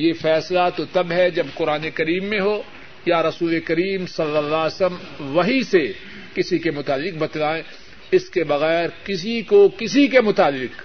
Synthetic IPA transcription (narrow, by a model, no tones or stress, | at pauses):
jefɛːslat̪ot̪ɐbɦɛd͡ʒɐbqʊɾaːnekɐɾiːmːẽɦoː | jaɾɐsuːlekɐɾiːmsɐlːəlːaːsəm | ʋɐɦise | kɪsikemʊt̪aːlːɪq̚bɐt̪laːẽ | ɪskebɐɣɛːɾkɪsikokɪsikemʊt̪aːlːɪq